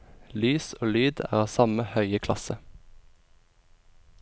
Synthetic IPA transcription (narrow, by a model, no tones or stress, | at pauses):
lyːsoːlyːd̪æ̰ːʁɑːʋsɑməhœʏəkʰlɑ̰sə